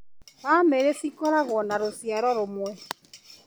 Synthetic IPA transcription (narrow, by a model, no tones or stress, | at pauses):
βameɾesikɔɾaɣɔnaɾosjaɾɔɾʊmwɛ